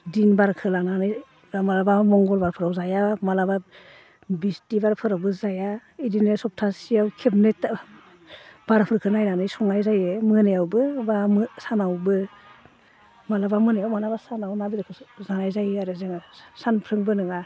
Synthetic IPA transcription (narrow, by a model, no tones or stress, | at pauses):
dinbaɾkʰɯlananɯj | ɾamalabamɔŋɡɔlbaɾpʰɯɾawzajamalaba | bistibaɾpʰɯɾawbɯzajaidinɯsɔp̚tʰasijawkʰep̚net | b̥aɾpʰɯɾkʰɯnajnanɯjsɔŋajzajɯmɯnejawbɯbamsanawbɯ | malabamɯnajawmalabasanawnabidakʰɯzanajzajaɾɯzeŋasanpʰɾɯŋbɯnɯŋa